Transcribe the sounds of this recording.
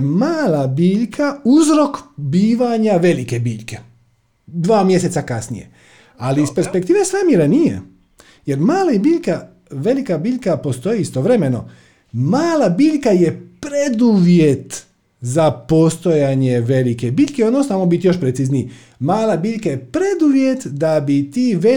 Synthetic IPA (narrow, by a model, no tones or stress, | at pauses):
maːlabiːʎkʰauzɾo̞kbiːʋaɲaʋe̞like̞biːʎke̞ | d̪ʋaːmje̞s̬e̞t̪sakasnḭje̞̰ | aliːspe̞ɾspekt̪iːʋesɾamjeɾanijḛ | je̞ɾmaːlaibiːʎka | ʋe̞likabiːʎkapo̞st̪o̞jiist̪oʋɾe̞me̞no̞ | maːlabiːʎkaje̞pɾed̪uʋje̞t̪ | zapo̞st̪o̞jaɲe̞ʋe̞like̞biːʎʲkeod̪nosnamobit̪joʃpɾet̪sizni | maːlabiːʎkaje̞pɾe̞d̪uʋje̞t̪d̪abit̪iːʋe